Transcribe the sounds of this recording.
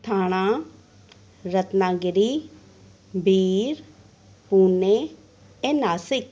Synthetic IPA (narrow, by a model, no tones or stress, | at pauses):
t̪ʰaːɽ̃ãː | ɾət̪naːɡɪɾiː | bʱiːɾ | puːneː | eːnaːsɪk̚